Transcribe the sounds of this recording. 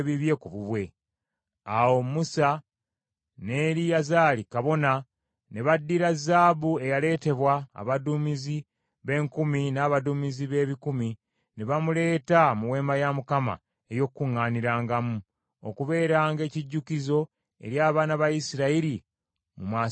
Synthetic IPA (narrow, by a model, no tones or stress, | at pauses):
βiβje̞kuβuβwe̞ | awo̞musa | ne̞ːɾijazaːlikaβo̞na | ne̞βadːiɾazaːbue̞jale̞ːte̞βwa̰ːβadumizi | βe̞ːŋkuminaːβaduːmiziβe̞ːβikumi | neβamule̞ːtamuwe̞ːmbajamukama̰ | ejo̞kkːuŋːaːniɾaːŋɡamu | o̰kuβe̞ːɾaːŋɡe̞ːciɟːukizo̞ | e̞̰ɾjaːβaːnaβajisiɾaiɾi | mumaː